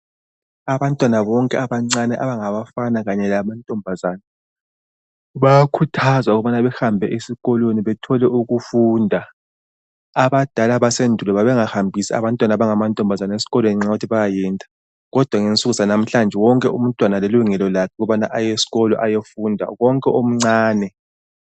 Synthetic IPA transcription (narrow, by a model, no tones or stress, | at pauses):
aβantʼwanaβɔŋkʼɛaβaŋ͡ǀanɛʔaβaŋaβafanaɣaɲɛlamantʼɔmbʱazaːna | βajakʰutʰazwauɣuβanaβɛxambʱɛʔesiɣɔlweniβɛtʰɔlɛʔuɣufuːndʱa | βad̥ʱalaβasendʱulɛβaβɛŋahambʱisia̰βantʼwanaβaŋamantʼɔmbʱazanaesi̥ɣɔlweniŋ͡ǁautʰiβajajɛːntʼḁ | ɣɔd̥ʱwaŋent͡sʼuɣuzanam̩ɬand͡ʒʱɛwɔŋkʼɛṵm̩tʼwanaleluŋɛlɔlakʰɛɣuβana̰ʔajesi̥ɣɔlɔʔajefuːndʱa̰ɣɔŋkʼɛʔom̩ŋ͡ǀaːnɛ